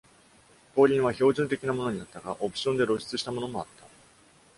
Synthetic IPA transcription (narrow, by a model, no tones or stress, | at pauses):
po̞ːɾʲĩɰ̃β̞aço̞ːʑɨ̃nt̪̬e̞kʲinamo̞no̞ɲ̟inat̪ːaɡaʔo̞pɯ̟̥ɕo̞nd̪e̞ɾo̞ɕi̥t͡sɨɕi̥t̪amo̞no̞mo̞at̪ːa